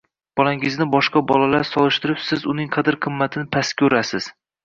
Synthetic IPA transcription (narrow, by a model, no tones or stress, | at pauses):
b̥ɒlaŋɪznɪbɒʃqɑbɒlalaɾsɒlˠɪʃt̪ɪɾɪpsɪzʊnɪŋqʰɑd̪ɪɾqʰɨmːat̪ʰɪnɪpʰaskʲʰɵɾasɪz̥